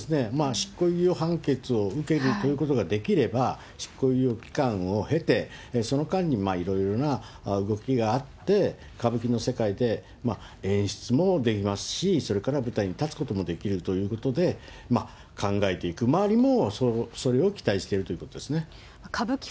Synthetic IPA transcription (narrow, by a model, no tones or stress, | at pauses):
sɨne̞maɕi̥kːo̞ijoɦãŋke̞t͡sɨo̞ɯ̟ke̞ɾɯ̟t̪o̞jɯ̟ko̞t̪o̞ɡad̪e̞kʲiɾe̞ba | ɕi̥kːo̞iokʲi̥kãɰ̃o̞he̞t̪e̞so̞no̞kãɲ̟ːimaiɾo̞iɾo̞na | ɯ̟ɡo̞kʲiɡaːt̪ːe̞ | kabɯ̟kʲino̞se̞kaid̪e̞ | ma | ẽ̞ɰ̃ɕi̥t͡sɨmo̞d̪e̞kʲimasɨ̥ɕiso̞ɾe̞kaɾabɯ̟t̪aiɲ̟it̪at͡sɨ̥ko̞t̪omo̞d̪e̞kʲiɾɯ̟t̪o̞jɯ̟ːko̞t̪o̞d̪e̞ | ma | kʰãŋɡaet̪e̞ikɯ̟maβaɾʲimo̞soso̞ɾe̞o̞kʲi̥t̪aiɕi̥t̪e̞ɾɯ̟t̪o̞jɯ̟ko̞t̪od̪e̞sɨne | kʰabɯkʲi̥